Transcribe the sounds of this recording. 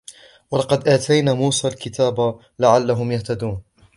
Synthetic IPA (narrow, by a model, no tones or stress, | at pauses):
wɑlɑqɑd̪ʔaːt̪ʰajnaːmuːsaːlkɪt̪aːba | laʕalːaɦʊmjaht̪ad̪uːn